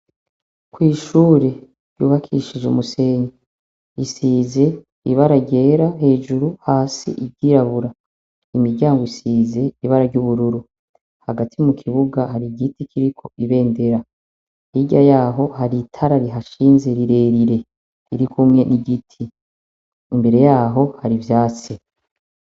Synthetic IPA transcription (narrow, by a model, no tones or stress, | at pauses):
kwiːʃuːɾe̞ | ɾjuːβakʰḭʃid͡ʒumuse̞ɲe | isiːze̞ | iβaɾaɡɟe̞ːɾaɦe̞ːʒuɾuhaːsḭʔibɟiɾaβuɾa | imiɾɟaːŋɡoisiːze̞iβaɾaɾɟuβuɾuɾu | haɡatʰimukʰiβuɡahaɾiɡitikʰiɾikʰo̞ʔiβe̞ːnde̞ɾa | iɟajaːɦo̞haɾitʰaɾaɾiɦaʃiːnze̞ɾiɾe̞ːɾiɾe̞ | iɾikʰumŋe̞niɡitʰiː | mbe̞ɾe̞jaːɦo̞haɾivjaːt͡si